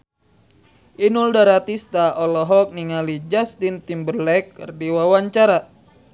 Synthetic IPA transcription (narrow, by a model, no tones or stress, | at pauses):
ʔinuldaɾat̪ist̪aʔɔlɔɦɔk̚niŋalid͡ʒast̪int̪imbərlɛkːɨ̰rdiwawaɲt͡ʃaɾa